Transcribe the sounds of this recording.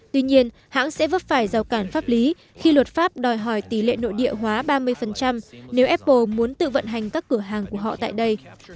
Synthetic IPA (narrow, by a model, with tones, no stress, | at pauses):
t̪wi˧ɲi˧ən | ha̰ː˧˥ŋsɛ̰˧˥və˦˥t̚faː˧˩jza˨˩wkaː˧˩nfaː˦˥p̚li˨˦ | xi˧lwə˨˩t̚faː˦˥p̚ɗɔ˨˩jɦɔ˧˩jt̪i˧˩lḛ˧˨no̰˧˨jɗḭ˧˨əɦwaː˨˦ɓaː˧mɨ˧əjfə˨˩nt͡ɕa˧mne˨˦wʔɛ˦˥p̚ːo˧mu˨˦ənt̪ɨ̰˧˨və̰˧˨nɦa˨˩jŋ̟kaː˦˥kːɨ˧˩əɦaː˨˩ŋku˧˩əɦɔ̰˧˨t̪a̰ː˧˨jɗə˧j